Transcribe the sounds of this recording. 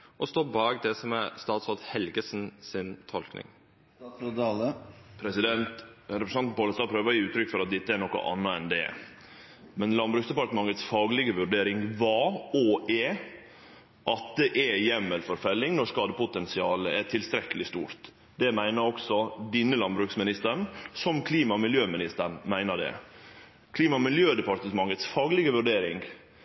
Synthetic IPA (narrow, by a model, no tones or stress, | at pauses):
ʔɔst̪oːbɑːɡd̪ɛsɔmɛst̪ɑːt̪sɔlt̪hɛlɡəsnsɪnt̪ʰɔlknɪ̰ŋ | pʰɾɛsɪd̪ɛnt̪ɾɛpɾəsnɑnn̩poːləst̪ɑːpʰɾøːʋəɾjiːʉːt̪ʰɾʏkːfɔɾɑt̪̚d̪ɛt̪ːəɛɾnɔkə̰ʔɑ̰nːəɛnd̪ɛ̰ | mɛnlɑnbɾʉːksd̪ɛpɑɾʈ̪əmɑŋːət̪sfɑːɡəlɪɡəʋʉɖeːɾɪŋʋɑːɔɛ | ʔɑt̪̚d̪ɛʔɛjɛmːəlfɔɾfɛlːɪŋnɔʂkɑːd̪əpʊt̪ɛnsɪɑːləætʈʰɪlst̪ɾɛkːəlɪst̪uːɾt̪ | d̪ɛmæɪnəɾɔksɔd̪ɪnːəlɑnbɾʉːksmɪnɪst̪əɳsɔmkʰliːmɑmɪljøːmɪnɪst̪əɳmæɪnəɖɛ̰ | kʰliːmɑmɪljøːd̪ɛpɑɾt̪əmɑŋːət̪sfɑːɡəlɪɡəʋʉɖeːɾɪŋ